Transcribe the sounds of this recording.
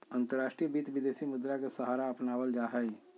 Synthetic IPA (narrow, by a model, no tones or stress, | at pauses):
ə̃nt̪əɾaːʃʈɾijəbit̪ʋɪd̪eːsimʊd̪ɾakesəɦaːɾaɐpnaːʋəld͡ʒaːɦɛ